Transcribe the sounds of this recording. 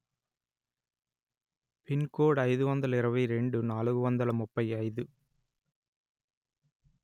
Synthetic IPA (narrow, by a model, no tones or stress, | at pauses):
pɪnkoːɽɐɪðɯʋɐnd̪ɐlɐɪɾɐʋɐɪɾɛɳɖɯnaːɭɯɣɯʋɐnd̪ɐlɐmʊpːɐɪɐɪðɯ